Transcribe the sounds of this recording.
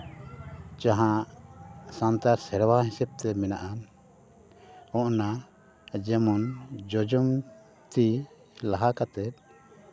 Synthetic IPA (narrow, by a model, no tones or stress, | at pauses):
t͡ʃãɦãʔsant̪aɾsɛɾwaɦisɛb̚t̪ɛmɛnaʔan | ɔ̃ʔna | d͡ʒɛmɔnd͡ʒɔd͡ʒɔm | t̪i | laɦakat̪ɛt̪̚ˀ